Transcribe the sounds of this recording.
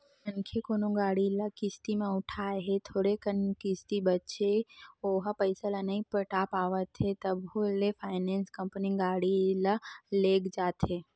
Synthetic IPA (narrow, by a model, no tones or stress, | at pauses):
ənkʰekoːnoɡaːɽiləkɪst̪imẽʊʈʰaeɦet̪ʰoːɽekənkɪst̪ibətːt͡ʃeoːɦpəɪsələnəĩpɾəʈapaːʋət̪ʰɦet̪əbolepʰaːɪnẽːnskə̃mpəniɡaːɽiləleːkd͡ʒaːt̪ʰɦeː